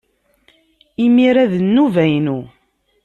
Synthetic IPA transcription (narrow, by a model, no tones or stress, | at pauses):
imiɾæðənːuvæjnu